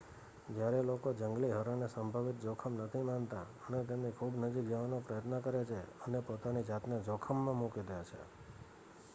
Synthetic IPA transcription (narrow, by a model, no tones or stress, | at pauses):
d͡ʒjaɾelokod͡ʒəŋɡliɦəɾanesəmbʱəʋit̪̚d͡ʒɔkʰəmnət̪ʰimant̪a | ənet̪emnikʰubnəd͡ʒikd͡ʒəʋanopɾəjət̪nəkəɾet͡ʃʰeənepot̪anid͡ʒat̪ned͡ʒɔkʰəmːãmukid̪əjat͡ʃʰḛ